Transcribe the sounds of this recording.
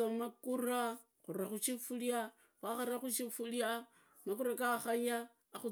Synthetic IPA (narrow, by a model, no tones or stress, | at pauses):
omakuɾa | kuɾakut͡ʃifuɾija | kaaɾakut͡ʃifuɾija | mak̬uɾakaxaja | aku